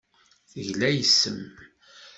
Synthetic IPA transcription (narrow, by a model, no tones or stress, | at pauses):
θəʝlæjəsːəm